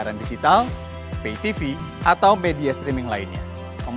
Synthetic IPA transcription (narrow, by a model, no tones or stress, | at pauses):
aɾandid͡ʒit̪al | peit̪ifiʔat̪awmediast̪ɾimɪŋlainɲa̰ | kəm